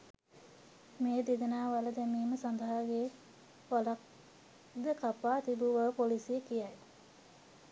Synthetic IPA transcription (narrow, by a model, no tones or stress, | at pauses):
meːd̪id̪ənaːʋaləd̪emiːməsand̪əɦaɡeː | ʋalak̚ | d̪əkapaːt̪ibuʋəpolisijəkijaj